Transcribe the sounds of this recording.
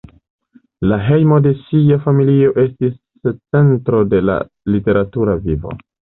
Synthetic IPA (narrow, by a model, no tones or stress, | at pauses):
laɦe̞jmo̞de̞siafamilio̞ʔe̞stis | t͡se̞ntɾo̞de̞la̰ | lite̞ɾatuɾavivo̰